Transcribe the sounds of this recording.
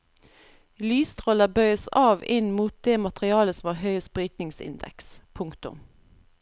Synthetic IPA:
lyːst̪ʰʁɔləbœʏəsɑːʋɪnmuːt̪̚d̪eːmɑt̪ʁɪɑːləsɔmʋɑːhœʏəspʁyːt̪nɪŋsɪ̰nd̪ɛ̰kspʰʊŋkt̪ʊ̰m

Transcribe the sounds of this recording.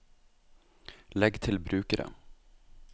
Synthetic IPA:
lɛɡt̪ʰɪlbɾʉːkəɾʔə̰

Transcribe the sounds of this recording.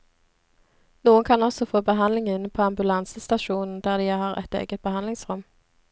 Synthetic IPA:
nuːənkʰɑnɔsɔfoːbəɦɑnlɪŋɪnpʰoːɑmbʉlɑnsəst̪ɑʃuːnn̩d̪æːʁd̪iːhɑːʁʔɛ̰t̪ḛːɡət̪̚b̥əhɑnlɪŋsʁʉm

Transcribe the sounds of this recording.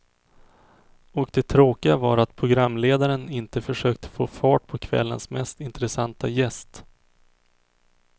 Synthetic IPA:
ɔkd̪ɛt̪ʰɾoːkɪɡavɑɾat̪pʰɾʊɡɾamːleːd̪aɾənɪnt̪əfœʂøːk̚t̪ə̥fo̰ːfɑːʈ̚pʰɔkʰvɛ̰lːə̰nsmɛst̪ɪnt̪ɾɛsant̪ajɛst̪

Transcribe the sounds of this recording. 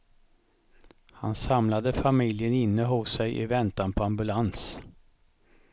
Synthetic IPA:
ha̰nsamlad̪əfamɪljənɪnːəɦʊsːɛjʔɪ̰vɛnt̪anpʰɔambɵlans

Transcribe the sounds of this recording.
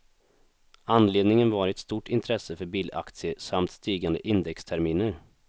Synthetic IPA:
anːleːd̪nɪŋənvɑːɾɛt̪st̪uːʈɪnt̪ʰɾɛsːəfœɾbiːla̰kt̪sɪəsamt̪st̪iːɡand̪ə̰ʔɪnd̪ɛkst̪ʰæɾmiːnəɾ

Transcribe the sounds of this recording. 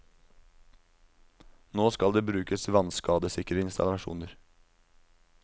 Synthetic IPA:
noːskɑld̪eːbɾʉːkəsʋɑnskɑːd̪əsɪkɾəɪnst̪ɑ̰lɑʃṵːnəɾ

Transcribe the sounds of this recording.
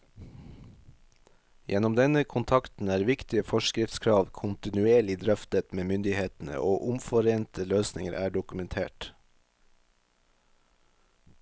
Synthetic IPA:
jʔɛnɔmd̪ɛnəkʰʊnt̪ʰɑkt̪n̩æːɾʋɪkt̪ɪəfɔʃkɾɪft̪skʰɾɑːʋkʰʊnt̪ɪnʉeːɭɪd̪ɾœft̪ət̪meːmʏnd̪ɪheːt̪n̩ə̰ʔoːʔʊmfɔɾeːnt̪əløːsnɪŋəɾʔæːɖʊkʉmɛnt̪ʰḛːʈ

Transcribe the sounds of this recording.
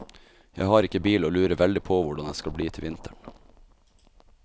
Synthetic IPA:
jæ̰ɪhɑːɾɪkəbiːloːlʉːɾəʋɛld̪ɪpʰoːʋʊɖɑnd̪eːskɑlbliːt̪ʰɪlʋɪnt̪ʰəɳ

